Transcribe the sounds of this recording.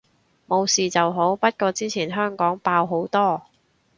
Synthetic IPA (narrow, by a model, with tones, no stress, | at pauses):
mo˨˧wsiː˨t͡sɐ˨wɦo˨˥wpɐ˥t̚kɔː˧t͡siː˥t͡sʰiː˨˩nɦœː˥ŋkɔː˨˥ŋpaː˧wɦo˨˥wt̪ɔː˥